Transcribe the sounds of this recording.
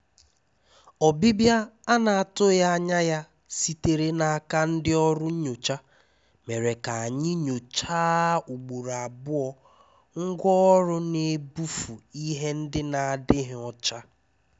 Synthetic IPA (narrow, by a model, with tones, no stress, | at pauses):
ɔ˨bi˦bja˦a˦na˨a˨tʊ˦ja˦a˦ɲa˦ja˦ | si˦te˨ɾe˦na˨a˦˨ka˦n̩˦dɪ˦ɔ˦ɾʊ˦ɲo˨t͡ʃa˦ | me˨ɾe˨ka˨a˨ɲɪ˦ɲo˨t͡ʃaː˦u˨ɡ͡bu˨ɾa˨bʊ˦ɔ˦ | ŋ̩˦ɡʷɔ˦ɔ˦ɾʊ˦ne˨bu˦fu˨i˦ɦe˦n̩˦dɪ˦na˨a˨dɪ˦ɦɪ˨ɔ˨t͡ʃa˦